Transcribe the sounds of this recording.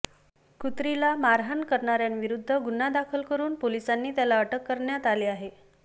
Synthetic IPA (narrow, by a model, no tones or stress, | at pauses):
kut̪ɾilamaɾɦankəɾɳaɾjanʋiɾud̪ʱːəɡunad̪akʰəlkəɾuːnpolisanːiːt̪jalaəʈəkːəɾɳjat̪aliːaɦe